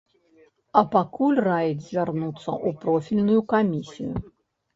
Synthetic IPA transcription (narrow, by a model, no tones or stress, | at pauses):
ɐpakulʲrajɛd̪zʲvʲarnut̪sːɐ̰ʔupɾɔfʲilʲnujukamʲisʲḭjṵ